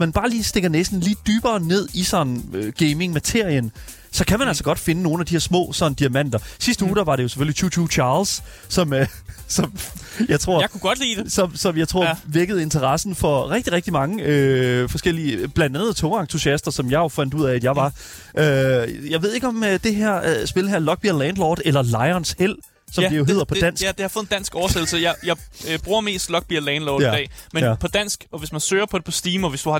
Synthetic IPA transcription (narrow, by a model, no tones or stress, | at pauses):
mænb̥ɑ̈ːliːsd̥e̝ɡ̥ɐnesd̥n̩liːd̥yːb̥ɐːne̝ð̞̰ˠisɒ̽nn̩øɡ̥eɪme̝ŋmæt͡sʰe̝ɐ̰ijən | sɒ̽kʰæmænælsɒ̽ɡ̥ɒ̽d̥fe̝nəno̝ːn̩æd̥ihɛɐsmɔ̰̽ːsɒ̽nəd̥iæmæn̰d̥ɐsisd̥əuːd̥æʋɑ̈ɾe̝jo̝sefølit͡sʰuːt͡sʰuːt͡ɕʰɑ̈ːlsː | ɒ̽msɒ̽mjɑ̈ɪt͡sʰʁo̝̰kuɡ̥ɒd̥lḭːd̥esɒ̽msɒ̽mjɑ̈ɪt͡sʰʁo̝ɐ̰ʋeɐɡ̥əð̞̩ˠe̝nt͡sʰɐʁɑsn̩fɒ̽ʁɛɡ̥̚d̥iʁɛɡ̥d̥imɑ̈ŋəøfɒ̽sɡ̥el̰iəb̥lænd̥ænð̞̩ˠt͡sʰɔɑ̈ŋt͡sʰusiæsd̥ɐsɒ̽mjɑ̈ɪjo̝fæn̰d̥uð̰ˠɛæd̥jɑ̈ɪʋɑ̈ | ʔøjɑ̈ɪʋe̝ð̞ˠe̝ɡ̥ɒ̽md̥e̝ɦeɐ̰sb̥e̝ləɦæɐ̰lɒ̽ɡ̥̚b̥iɐlɛnd̥lɒːd̥ˠelɐlɑ̈ɪɒnshel̰ | sɒ̽d̥ijo̝ɦe̝ð̰ˠɐpʰɒd̥æn̰se̥d̥ehɑ̈fɔð̩ˠn̩d̥æn̰sɡ̥ɒʊɐsed̥l̩səjɑɪjɑ̈ɪb̥ʁuːɐme̝̰ːsd̥lɒ̽ɡ̥̚b̥iɐlɛːnlɔːdd̥ɛ̰ːmepʰɒ̽d̥æn̰sɡ̥ɒ̽ʋe̝smænsø̰ːɐpʰɒ̽ɾe̝pʰɒ̽sd̥iːmɒʋe̝sd̥uhɑ̈